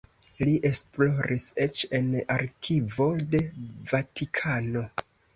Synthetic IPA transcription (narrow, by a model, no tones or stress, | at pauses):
liʔe̞splo̞ɾʔise̞t͡ʃe̞naɾkʰivo̞de̞vatikʰano̞